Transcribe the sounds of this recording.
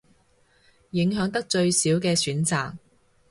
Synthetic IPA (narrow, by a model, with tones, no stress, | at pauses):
jɪ˨˥ŋɦœː˨˥ŋt̪ɐ˥k̚t͡ʃɵ˧ɥsiː˨˥wkɛː˧syː˨˥nt͡saː˨k̚